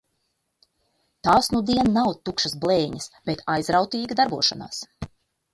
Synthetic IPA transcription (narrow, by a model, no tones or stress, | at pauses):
t̪aːsnud̪iɛnːawt̪ukʃɐsblˠeːɲɐsb̥et̪ʰajzɾawt̪iːɡad̪aɾbuɔʃana̰ːs